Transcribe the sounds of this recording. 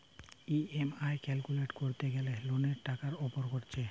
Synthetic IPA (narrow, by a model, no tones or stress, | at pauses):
iemajkɛlkuleʈkoɾt̪eɡɛleloneɾʈakaɾɔpoɾkoɾt͡ɕʰe